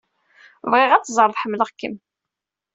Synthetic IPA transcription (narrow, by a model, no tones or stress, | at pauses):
vʁɪʁæt͡sːzˤəɾˤðˤħəmːləʁkːəm